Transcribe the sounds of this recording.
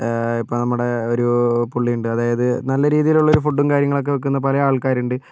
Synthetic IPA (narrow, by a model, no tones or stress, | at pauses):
ipːoɭnɐmːuɽe̞o̞ɾupuɭːiuɳɖɨɐðaːjɐðɨnɐlːɐɾiːðijiluɭːo̞ɾufuɖːumkaːɾjɐŋːɐɭo̞k̬ːe̞ʋek̬ːunːɐpɐlɐjaːɭkaːɾuɳɖɨ